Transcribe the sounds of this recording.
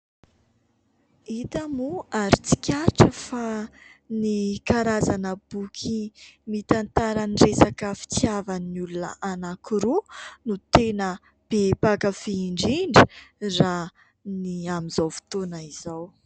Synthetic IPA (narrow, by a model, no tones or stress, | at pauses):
it̪amuaɾit͡si̥kʲaʈ͡ʂəfanikaɾazanəb̥ukʰimit̪ant̪aɾəniresakəfi̥t͡siavanulunə̰ʔanakiɾunut̪enə | b̥epakafiːɳɖ͡ʐiɳɖ͡ʐi̥ra | niamizawfi̥t̪onaizaw